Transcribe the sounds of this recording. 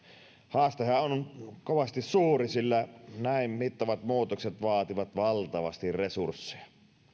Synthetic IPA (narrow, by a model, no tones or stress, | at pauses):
hɑːst̪ehɑonkoʋɑst̪issuːrisilːænæˑimmit̪ːɑʋɑt̪muːt̪okset̪ʋɑːt̪iʋɑt̪ʋɑlt̪ɑʋɑ̰st̪irresursːe̥jɑ̥